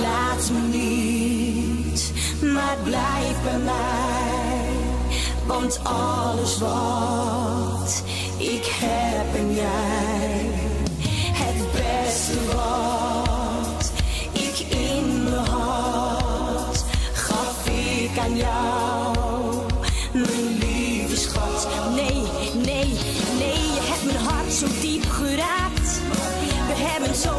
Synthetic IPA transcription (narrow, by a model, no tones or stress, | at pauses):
la | sməni | t | mablaɪfəma | vɑnt | ɑ | ləsvɔ | t | ɪkhɛ | bənja | hɛtbɛsəvɔ | t | ɪkɪnməɦɑ | tχɑfɪkanja | w | mənli | vəsχɔt | nej | nej | nejjəɦɛp̚mənɦɑrtsowdipχəɾaːkt | ʋəɦɛbənso